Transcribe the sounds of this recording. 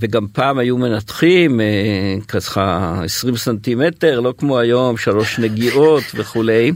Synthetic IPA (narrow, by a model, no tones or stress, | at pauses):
veɡampaːmhajume̞nat̪χimekasχaesʁimsant̪imete̞ʁlo̞kmoajo̞mʃalo̞ʃneɡiʔo̞tveχule̞j